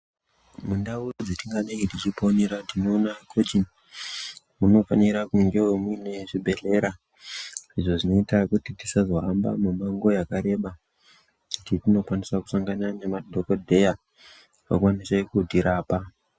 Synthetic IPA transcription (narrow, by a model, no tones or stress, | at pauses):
mundaurod͡zetiŋɡaneŋɡitit͡ʃipo̞neɾatinoːnakʰot͡ʃin | muno̞fa̰niɾakuŋɡe̞wemuine̞ʐibʱe̞ɮe̞ɾa | iʐo̞ʐino̞itakutitisazoɦamba̰mumaŋɡojakaɾe̞ɓa | kutitino̞kwanisaku̥saŋɡananemadʱokodʱe̞ja | wa̰kwanisekudiɾaːpa